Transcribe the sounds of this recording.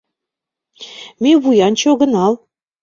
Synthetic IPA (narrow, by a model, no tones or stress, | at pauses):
meβujɑnt͡ɕoɣə̆nɑl